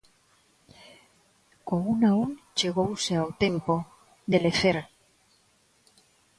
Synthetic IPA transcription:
kounaont͡ʃe̞ɣ̞owseawt̪e̞mpo | ðeleθeɾ

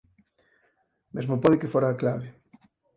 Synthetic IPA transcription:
mezmopoðɪkefoɾaːklaβɪ

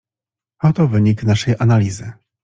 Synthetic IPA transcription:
ɔt̪ɔvɘɲiknaʂɛjʔanalʲizɘ

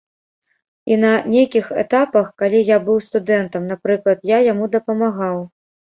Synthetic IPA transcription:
inɐnʲejkʲixɛ̰t̪apɐxkalʲijabɨwst̪ud̪ɛnt̪ɐmnapɾɨklˠɐt̪jajamud̪ɐpɐmaɣaw

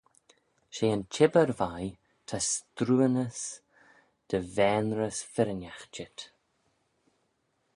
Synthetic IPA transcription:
ʃeːənt͡ʃʰɪbəɾvaj | t̪ʰast̪ɾuːənəs | d̪̥əvɛːnɾəsfɪɾənʲaxt͡ʃɪt̪

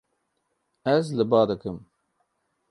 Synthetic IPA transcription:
ɛzlɨbɑːd̪ɨkɨm

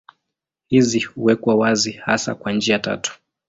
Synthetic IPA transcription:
hizihuwɛkwawaziha̰sa̰kwand͡ʒiata̰tu̥

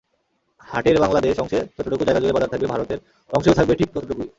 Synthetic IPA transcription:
haʈeɾbaŋlad̪eʃɔŋʃet͡ɕɔt̪oʈokud͡ʑaeɡad͡ʑoɡeɾbad̪aɾt̪ʰakɡbebʱaɾot̪eɾ | ɔŋʃeot̪ak̚beʈʰik̚t͡ʃɔt̪ʰoʈokui

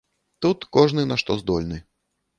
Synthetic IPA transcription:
t̪ut̪kɔʐnɨnaʂt̪ɔzd̪ɔlʲnɨ

